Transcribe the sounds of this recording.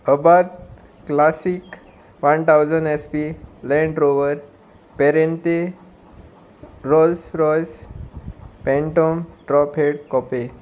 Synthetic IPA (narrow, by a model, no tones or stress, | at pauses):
əbaɾt̪ | klasik | ʋant̪ʰawd͡zəɳɖespilɛ̃ɳɖɾoʋəɾ | pɛɾent̪e | ɾɔlsɾɔjs | pɛ̃ɳʈomʈɾɔpʰeɽkɔpe